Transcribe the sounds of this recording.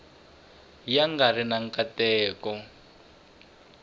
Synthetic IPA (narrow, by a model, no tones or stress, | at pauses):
jaŋɡarinaŋ̩katɛːkɔ